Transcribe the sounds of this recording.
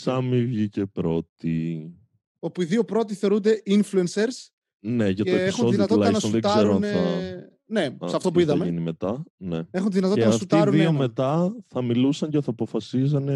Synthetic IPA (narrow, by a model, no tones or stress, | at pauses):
sɐmivʝicepɾo̞t̪i | o̞puiðio̞pɾo̞t̪iθe̞oɾund̪e̞ʔinfluenseɾs | neʝɐteeesxunoiðinɐt̪lɐɐnɐsðet̪zɐeɾoɐnɐ | ne̞ssɐft̪o̞puiðɐmeʝinimet̪ɐneexunt̪iðinɐt̪oeɐɐɐsfkutuiɾunðiomet̪ɐθɐmilusɐɲceθɐːpo̞fɐsiz̬ɐne